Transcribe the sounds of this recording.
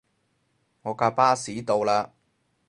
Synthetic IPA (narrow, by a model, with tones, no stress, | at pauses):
ŋɔː˨˧kaː˧paː˥siː˨˥t̪o˧wlaː˧